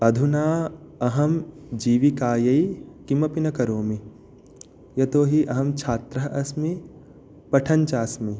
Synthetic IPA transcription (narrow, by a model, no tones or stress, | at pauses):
ɐd̪ʱunaːɐɦɐmd͡ʒiːʋikaːjɐikimɐpinɐkɐɾoːmi | jɐt̪oːɦiʔɐɦɐmt͡ʃʰaːt̪ɾɐɦɐsmi | pɐʈʰɐnt͡ʃaːsmi